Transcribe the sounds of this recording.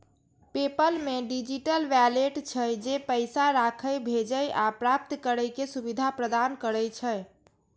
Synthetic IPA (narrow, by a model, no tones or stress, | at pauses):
pepəlmeɖid͡ʒiʈəlʋɛleʈt͡ʃʰəd͡ʒepəɪsaɾakʰəjbʱed͡ʒəjʔapɾap̚t̪kəɾəjkesubid̪ʱapɾəd̪ankəɾəjt͡ʃʰəj